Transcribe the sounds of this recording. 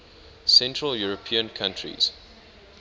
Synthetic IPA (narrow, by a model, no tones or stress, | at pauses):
sɛ̃ntɹəljuɹəpʰĩə̃nkʰãntʰɹḭz̥